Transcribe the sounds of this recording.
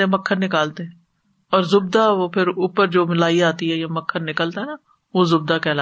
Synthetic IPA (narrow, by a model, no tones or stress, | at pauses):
ẽməkʰːəɾnɪkaːlt̪eɦ | ɔːɾzʊbd̪aʋoːpʰɪɾuːpəɾd͡ʒoːmɪlaːiaːt̪iɦɛjaməkʰːəɾnɪkəlt̪aɦɛna | ʋoːzʊb̚d̪akɛːla